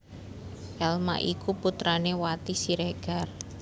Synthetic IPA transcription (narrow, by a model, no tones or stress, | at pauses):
ʔɛlma̰ʔikuput̪ɾanewat̪isiɾeɡ̥ar